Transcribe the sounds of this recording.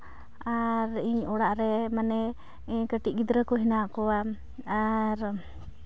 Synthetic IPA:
aɾiɲɔɽaʔɾɛmanɛ | kəʈiʔ̚ˀɡid̪ɾəkɔɦinakɔwa | aɾ

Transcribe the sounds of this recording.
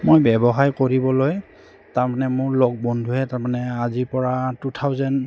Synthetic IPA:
mojbɛbɔɦaɹkoɹibɔloj | taɹmanɛmʊɹlɔk̚bɔndʱuɦɛtaɹmanɛazipɔɹatutʰawzɛn

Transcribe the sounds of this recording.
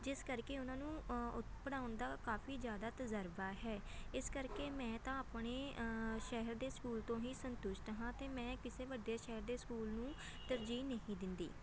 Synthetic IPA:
d͡ʒɪskəɾkeːʊnãːnũːʊpəɽaːʊnd̪aːkaːfʰiːzjaːd̪aːt̪əzəɾbaːɦɛː | ɪskəɾkeːmɛ̃ːt̪ãːaːpɳeːʃɛɦəɾd̪eːskuːlt̪õːɦiːsənt̪ʊʃʈ̪ɦãːt̪eːmɛ̃ːkɪseːʋəɖːaːʃɛɦəɾd̪eːskuːlnũː | t̪əɾd͡ʒiːnəɦĩːd̪ɪnd̪ḭː

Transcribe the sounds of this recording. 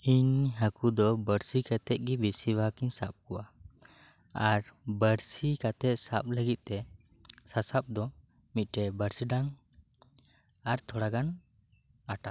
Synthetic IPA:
iɲɦakud̪ɔbəɾsikat̪ɛt̪̚ˀɡibisibʱakiɲsap̚kɔwa | aɾ | bəɾsikat̪ɛt̪̚sap̚ləɡit̪̚ˀt̪ɛ | sasap̚d̪ɔ | mit̪̚ˀʈɛbəɾsiɖaŋ | aɾt̪ʰɔɽaɡan | aʈa

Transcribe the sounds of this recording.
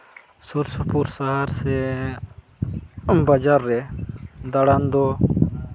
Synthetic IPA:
suɾsupuɾsaɦaɾse | bɐd͡ʒaɾːɛd̪ɐɽand̪o

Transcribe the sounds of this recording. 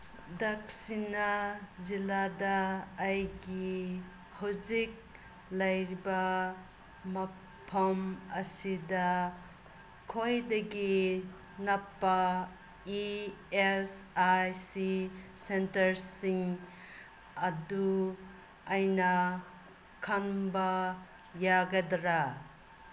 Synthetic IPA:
dɐk̚sinɐziladaːjɡi | hawzik̚ | lɐjɾibɐ | mɐ | pʰɐmɐsidɐ | kʰojdɐɡi | nɐpːɐ | iesajsisentɐɾsiŋ | ɐduː | jnɐ | kʰɐnbɐ | jaɡɐdɾa

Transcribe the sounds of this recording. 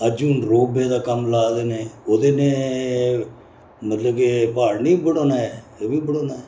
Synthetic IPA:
əd͡ʒuːnɾoːbeːd̪aːkəmlaːd̪eːneːoːd̪eːneː | mət̪ləbkepaːɽnĩːbəɽoːnaːɛː | eːbiːbəɽoːnaːɛː

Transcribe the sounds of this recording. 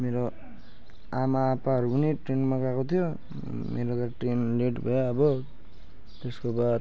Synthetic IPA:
meɾo | amaːpaɦʌɾupʌniʈrenmakakot̪ʰijo | mḛɾokaʈrenleʈbʱʌjaːbʌ | t̪eskobad̪

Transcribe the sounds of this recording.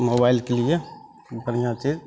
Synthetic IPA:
moːbailkelie | bənijãt͡ʃid͡ʒ

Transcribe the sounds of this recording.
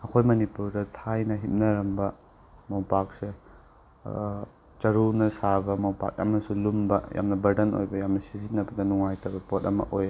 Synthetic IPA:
ɐkʰojmɐnipuɾdɐtʰajnɐɦip̚nɐɾɐmbɐ | mawpak̚se | t͡ʃɐɾunɐsabɐmawpa̰k̚ja̰mnɐsulumbɐja̰mnɐbɐɾdɐno̰jbɐjamnɐsizinːɐbɐdɐnuŋajtɐbɐpotɐmɐ̰ʔoj

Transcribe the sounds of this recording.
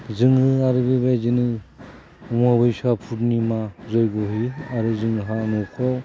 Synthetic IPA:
zɯŋɯaɾɯbebezinɯ | umabɯjsapʰutnimazɔjɡɔɦiaɾɯzɯŋɯɦanɔkʰɔw

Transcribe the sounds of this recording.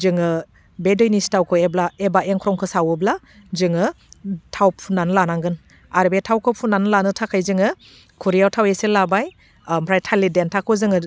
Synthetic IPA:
zɯŋɯ | bedɔjnistawkʰɯeblaebaʔeŋkʰɾɔŋkʰɯsawɯbla | zɯŋɯ | tʰawpʰunanɯlanaŋɡɯn | aɾbetʰawkʰɯpʰunanɯlanɯtʰakʰajzɯŋɯ | kʰuɾijawtʰaweselabaj | mpʰɾajtʰalidentʰakʰɯzɯŋɯ

